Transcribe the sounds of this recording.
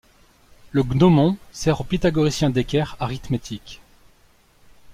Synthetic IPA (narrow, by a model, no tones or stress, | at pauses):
ləɡnomɔ̃sɛʁopet̪aɡɔʁisjɛ̃d̪ekʲɛʁaʁit̪met̪ʰik